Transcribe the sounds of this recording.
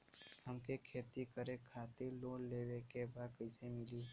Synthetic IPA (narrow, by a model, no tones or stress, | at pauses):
həmkekʰeːt̪ikəɾẽkʰaːt̪iɾloːlleːwekebaːd̪kəɪsemɪli